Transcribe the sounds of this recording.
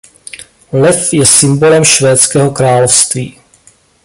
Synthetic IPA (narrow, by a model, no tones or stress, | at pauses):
lɛfjɛsɪmbo̞lɛmʃvɛːt͡skɛːɦo̞kɾaːlofst̪viː